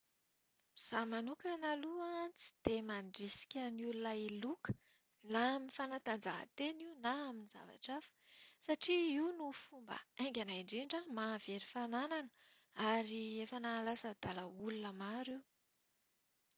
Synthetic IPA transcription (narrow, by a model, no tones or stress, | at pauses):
z̥amanukənaluant͡si̥d̪̥emaɳɖ͡ʐisi̥kʲənulunailukə̥ | naminifanat̪and͡zaɦə̰t̪eniunaːminiza̰va̰ʈ͡ʂafə̥saʈ͡ʂiiunufumbə̰ajŋɡʲanaiɳɖ͡ʐiɳɖ͡ʐəmav̥eɾifanananə̥ | aɾiefənaːlasəd̪̥aləulunəmaɾiw